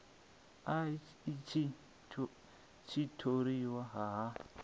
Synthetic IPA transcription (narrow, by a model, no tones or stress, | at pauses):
a | t͡ʃi | t͡ʃitʰoɾiwaɦaɦa